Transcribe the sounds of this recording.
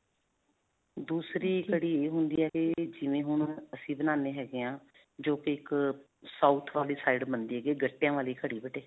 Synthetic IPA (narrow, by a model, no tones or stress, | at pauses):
d̪uːsɾiːkʰəɽiːeːɦʊnd̪iːɦɛːked͡ʒɪʋẽːɦʊɳ̃əsĩːbənaːneːɦɛːɡeːãː | d͡ʒoːkeɪk | saːʊt̪ʰʋaːliːsaːɪɖbənd̪iːɦɛːɡeːɡəʈːejãːʋaːliːkʰəɽiːbəʈeː